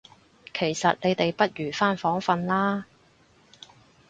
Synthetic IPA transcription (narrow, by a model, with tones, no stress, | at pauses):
kʰe˨˩jsɐ˨t̚ne˨˧jt̪e˨jpɐ˥t̚ɥyː˨˩faː˥nfɔː˨˥ŋfɐ˧nlaː˥